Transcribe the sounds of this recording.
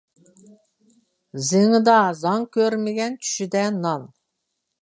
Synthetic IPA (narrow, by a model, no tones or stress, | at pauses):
zɪŋɨd̪ɑzɑŋkʲʰøɾmɪɡʲɛnt͡ʃʰy̥ʃid̪ɛnɑn